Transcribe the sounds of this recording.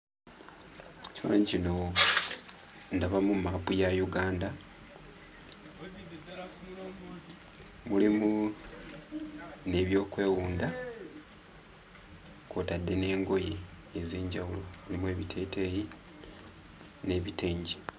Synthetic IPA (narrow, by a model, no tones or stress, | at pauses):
ecifa̰ːnaɲicino̞ | ndaβamumaːpujajuɡaːnda | mulimu | ne̞βjo̞ːkwe̞ːwuːnda | kotadːe̞ne̞ːŋɡo̞ji | ezeːɲɟawulo̞mulimue̞ːβitʰe̞ːte̞ːji | ne̞ːβiteːɲɟi